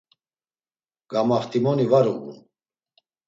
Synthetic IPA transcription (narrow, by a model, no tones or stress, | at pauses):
ɡ̥amaχt̪ʰimɔnivaɾuɣṵn